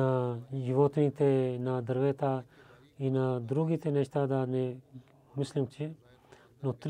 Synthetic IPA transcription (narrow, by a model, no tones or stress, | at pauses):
ajuʋoːt̪nit̪enad̪ɐɾʋeːt̪a | inad̪ɾuɡit̪eneʃt̪aːd̪ane | mʊslimt͡ʃʰe | not̪ɾ